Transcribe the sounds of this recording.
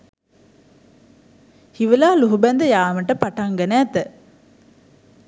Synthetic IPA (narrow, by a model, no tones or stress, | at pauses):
hiʋəlaːluɦubænd̪əjaːməʈəpaʈaŋɡənæːt̪ə